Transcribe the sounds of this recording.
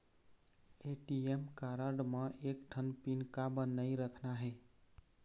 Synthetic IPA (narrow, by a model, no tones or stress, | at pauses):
eʈiemkaɾəɖməʔek̚ʈʰənpinkabənəjɾəkʰnaɦeɪ